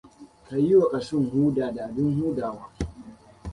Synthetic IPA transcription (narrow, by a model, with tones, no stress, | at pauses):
ka˨ji˦wa˨kʼa˨sʊ˦˨ŋhuː˦daː˨daː˨dʊ˦ŋhuː˦daː˨waː˦